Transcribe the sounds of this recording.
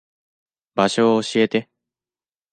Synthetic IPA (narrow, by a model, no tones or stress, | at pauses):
baɕo̞ːɕie̞t̪e̞